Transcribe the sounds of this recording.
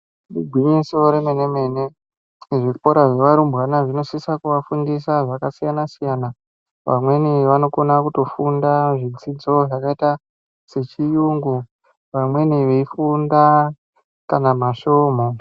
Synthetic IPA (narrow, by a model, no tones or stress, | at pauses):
diɡʱwiɲisoɾemenemene | ʐipoɾaʐe̞ʋaɾumbɣanaʐino̞sisakuʋafundisaʐakasijanasijana | ʋamwe̞niʋano̞ko̞nakuto̞fundaʐit͡sid͡zo̞ʐakaita | se̞t͡ʃijuŋɡu | ʋamwe̞niʋeifunda | kanamaʃoːmo̞